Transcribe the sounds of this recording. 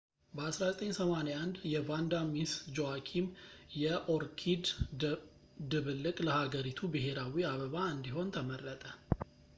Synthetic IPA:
bəasɾazət̪ʼəɲsəmanejand̪jɛvand̪amisd͡ʒowakʰimjɛʔoɾkʰid̪ | d̪ɨβɨlːɨkʼləhaɡəɾit̪ʰubɨɦe̞ɾawiaβəβaɨnd̪iɦo̞nt̪ʰəmərːət̪ʼə

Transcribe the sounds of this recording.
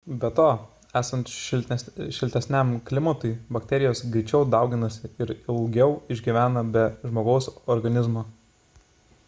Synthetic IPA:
bʲɛt̪oː | æːsɐnt̪ʃlʲʃʲɪlʲt̪ʲɛsʲnʲɛmklʲɪmɐt̪ʊɪbɐkʲt̪ʲɛɾʲɪjoːsɡɾʲɪt͡ʃʲɛʊd̪ɐˑʊɡʲɪnɐsʲɪɪɾɪlˠɡʲɛʊɪʒʲɡʲɪʋʲæːnɐbʲɛʒmoːɡɐʊsɔɾɡɐnʲɪzmoː

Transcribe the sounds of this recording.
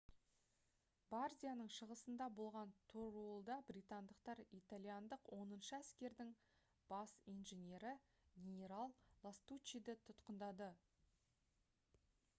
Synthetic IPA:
barzʲijanəɴʃəʁəsənd̪ɑbo̞lˠʁɑnt̪ʰorolˠd̪ɑbrʲijt̪and̪əqt̪ɑɾit̪alʲijand̪əqwʔo̞nənʃəæskʲe̞ɾd̪ɪŋ | b̥ɑsijnʒenʲe̞ɾɪ | ɡʲenʲe̞ɾalˠːast̪ut͡ʃːid̪ɪt̪ʰʊt̪qənd̪ɑd̪ə

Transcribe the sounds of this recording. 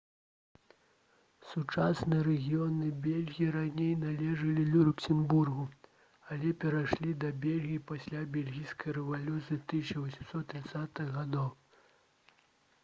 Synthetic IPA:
sut͡ʂasnɨjɐɾɛɣʲijɔnɨbʲelʲɣʲijiɾanʲejnalʲɛʐɐlʲilʲulʲuksʲɛnburɣu | alʲɛpʲɛɾaʂlʲid̪ɐbʲɛlʲɣʲijipasʲlʲabʲelʲɣʲijskɐjɾɛvalʲut̪sɨjit̪ɨsʲɐvɐsʲi̥msɔt̪ːɾɨt̪sat̪ɨɣɣad̪ɔw

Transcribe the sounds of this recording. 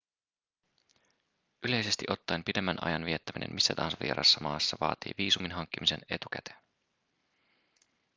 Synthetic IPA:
ʔyle̞jse̞st̪iʔo̞t̪ːɑjmpide̞mːænʔɑ̰jɑnʋiet̪ːæminḛmisːæt̪ɑhɑnsʋḭeɾʔɑ̰sːɑmɑːsːɑʋɑ̰ːt̪ḭːʋiːsuminɦɑŋk̟ːimise̞̰ne̞t̪uk̟æ̰t̪en

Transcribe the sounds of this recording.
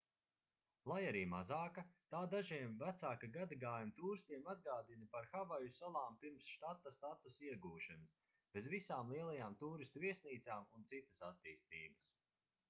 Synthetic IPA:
lˠajaɾiːmazaːkat̪aːd̪aʒiɛmvæt̪saːkaɡad̪aɡaːjumt̪uːɾst̪iɛmad̪̚ɡaːd̪inipaɾxavajusalˠaːmpiɾmsʃt̪at̪ːast̪at̪usiɛɡuːʃanɨs | b̥ezvisaːmlˠiɛlˠajaːmt̪uːɾist̪uviɛsniːt̪saːmunt̪sit̪ɐ̥sat̪ːiːst̪iːbɐs

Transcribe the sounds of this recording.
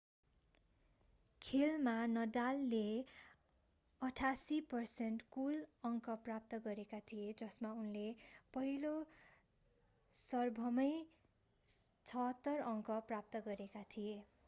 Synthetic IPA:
kʰelmanʌdalːe | ʌʈʰasipʌrsenʈkulʌŋkʌprap̚t̪ʌɡʌɾekat̪ʰijed͡zʌsmaunlepʌɦilo | sʌrbʱʌmʌj | t͡sʰʌɦʌt̪ːʌrʌŋkʌprap̚t̪ʌɡʌɾekat̪ʰije

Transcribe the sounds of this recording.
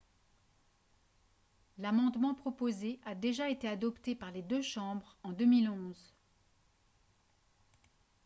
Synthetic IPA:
lamɑ̃d̪mɑ̃pχɔpozeʔad̪eʒaet̪ead̪ɔpt̪epaʁled̪øʃɑ̃bʁɑ̃d̪ømilɔ̃z

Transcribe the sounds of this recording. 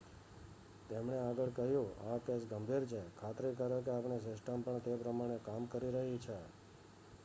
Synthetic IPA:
t̪emɳ̃eaɡəɭkəɦjũakesɡəmbʱiɾt͡ʃʰekʰat̪ɾikəɾok̬eapnes̬ɪsʈəmpəɳt̪epɾəmaɽ̃ekamkəɾiɾəɦit͡ʃʰe

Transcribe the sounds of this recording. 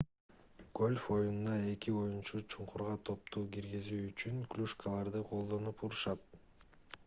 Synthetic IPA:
ɡ̥o̞lʲfo̞jununɑe̞kio̞junt͡ʃut͡ʃʰuɴqʰuɾʁɑt̪ʰo̞p̚t̪ʰuːkiɾɡizyːt͡ʃyŋklʲuʃkalˠɑɾd̪ɯqʰo̞lˠd̪o̞nupuɾuʃɑt̪

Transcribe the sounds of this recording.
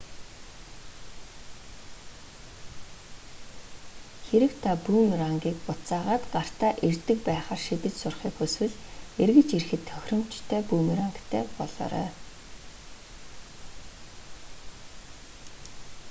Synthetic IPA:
xeɾɘ̆kt̪ʰapuːmraŋɡʲiːkpʊt͡saːʁaːt̪ɢar̥t̪aːʔert̪ɘ̆k̚pæːχaːrʃit̪ɘ̆t͡ɕsʊrχiːkɵswɘ̆ɮerɣɘ̆t͡ɕirxɘ̆t̪ʰːœxʲrɞ̆m̥t͡ɕt̪ʰæːpuːmiɾaŋkt̪ʰæːpɔɮɔ̰ːɾœ̰ː

